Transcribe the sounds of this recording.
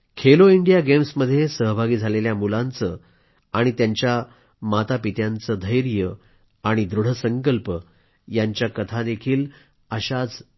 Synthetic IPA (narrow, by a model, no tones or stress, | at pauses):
kʰeloiɳɖijaɡemsməd̪ʱːjesəɦbʱaɡiːd͡zʱaleljamulãnt͡sə | aɽ̃it̪jaɲt͡ɕja | mat̪apit̪jant͡səd̪ʱəjɾijə | aɽ̃id̪ɾuɽ̤əsəŋkəlpə | jaɲt͡ɕjakət̪ʰad̪ekʰiːl | əɕad͡z